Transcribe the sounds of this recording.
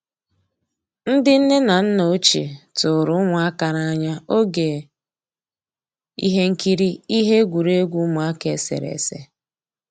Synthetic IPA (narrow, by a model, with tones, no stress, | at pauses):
n̩˦dɪ˦n̩˦ne˦na˨n̩˦no˨˦t͡ʃḛ˨tʊ˨ɾʊ˦ŋʷʊ˨a˦ka˨ɾa˦ɲa˦o˦ɡe˨ | ḭ˦ɦe˦ŋ̩˦ki˦ɾi˦i˦ɦe˦ɡʷu˨ɾe˦ɡʷu˦mʊ˨a˦ke˨sḛ˨ɾḛ˨se˦